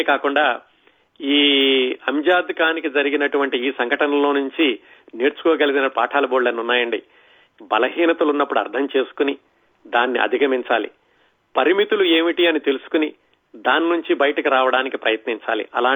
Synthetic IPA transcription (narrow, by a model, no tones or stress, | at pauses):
kaːkuɳɖaː | iːɐmd͡ʒaːd̪kaːnikid͡ʒɐɾiɡinɐʈuʋɐɳʈiiːsɐŋɡʱɐʈɐnɐlo̞ːnuɲt͡ʃi | neːɾt͡ʃu̥kɔːɡɐlɐɡinɐpaːʈʰaːlɐboːɽlɐnunːaːjɐɳɖi | bɐlɐɦiːnɐt̪ulunːɐpːuɽuɐ̰ɾd̪ʰʱɐmt͡ʃe̞ːsu̥kuni | d̪aːnːḭʔɐ̰d̪ʱikɐmiɲt͡ʃaːlḭ | pɐɾimit̪ulueːmiʈiɐnit̪e̞lusu̥kuni | d̪aːninuɲt͡ʃibɐjɐʈɐkiɾaːʋɐɽaːnikipɾɐjɐt̪niɲt͡ʃa̰ːlḭʔɐlaː